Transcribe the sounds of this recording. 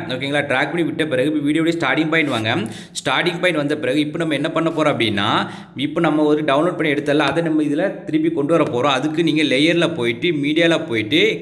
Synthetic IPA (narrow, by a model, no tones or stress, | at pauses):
oːkːeːŋɡɐɭːaːʈɾaːk̚pɐɳiʋɪʈːɐpɪɾɐɣɯʋiːɽɪjoːɽjesʈaːɾʈɪŋɡ̚pɐɪ̃nʋaːŋɡɐ | sʈaːɾʈɪŋɡ̚pɐɪnɖʋɐnd̪ɐpɪɾɐɣɯɪpːoːnɐmːɐɛnːɐpɐɳːɐpːoːɾõɐpːɐɽɪnːa̰ː | ɪpːoːnɐmːɐɔɾɯɖɐʊnloːɖ̚pɐɳːiɛɽɯt̪ːɐlːãɐðɐnɐmːɐɪðɪlɐt̪ɪɾɯp̬ːikɔɳɖɯʋɐɾɐpoːɾõːɐðɯkːɯniːŋɡɐlɛjɐɾlɐpoːjɪʈːɯmiːɽɪjaːlapoːjɪʈːɯ